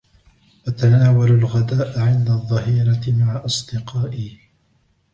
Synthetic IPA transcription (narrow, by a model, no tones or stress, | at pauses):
ʔat̪anaːwalalɣad̪aːʔaʕɪnd̪aðˤːɑhiːɾɑmaʕaʔɑsˤd̪ɪqɑːʔɪ